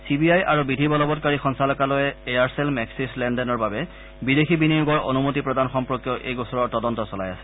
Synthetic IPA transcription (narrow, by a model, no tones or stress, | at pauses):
sibiajʔaɹubidʱibɔlɔbɔtkaɹixɔnsalɔkalɔjɛeaɹselmɛksislɛndɛnɔɹbabɛ | bidexibinijuɡɔɹʔo̰numotipɹɔdanxɔmpɹokjɔʔejɡɔsɔɹɔɹtɔdɔntɔsɔla̰jasɛ̥